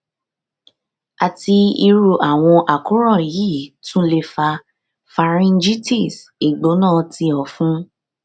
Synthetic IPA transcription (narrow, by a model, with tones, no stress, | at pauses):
a˨ti˧i˧ɾu˨ʔa˨w̃ɔ̃˧ʔa˨kũ˨˦ɾɔ̃˦˨jiː˦tũ˦le˧fa˧ | fa˧ɾĩ˧nd͡ʒi˦ti˦˨s | i˨ɡ͡bo˨˦nãː˦˨ti˧ɔ˨fũ˦